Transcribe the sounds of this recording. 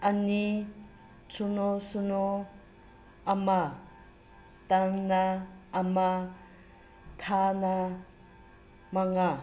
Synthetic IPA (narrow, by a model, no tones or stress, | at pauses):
ani | t͡sʰunosuno | ama | t̪aŋnaːma | t̪ʰana | maŋa